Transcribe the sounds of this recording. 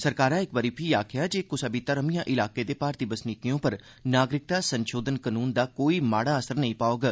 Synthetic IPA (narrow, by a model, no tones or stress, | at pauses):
səɾkaːɾãːɪkbəɾiːpʰiːaːkʰɪjaːd͡ʒeːkʊsabit̪əɾəmijãːʔɪlaːkeːd̪eːpaːɾt̪iːbəsnɪkijõːpəɾ | naːɡɾɪk̚t̪aːsənʃoːd̪ənkənuːnd̪aːkoːiːmaːɽaːəsəɾnəĩpaːoːɡ